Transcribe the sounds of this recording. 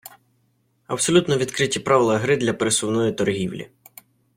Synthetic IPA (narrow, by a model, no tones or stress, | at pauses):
ɐb̥sɔlʲut̪nɔʋʲid̪kɾɪtʲipɾaʋɪlˠɐɦɾɪd̪lʲɐpeɾesʊwnɔjit̪ɔrɦʲiwlʲḭ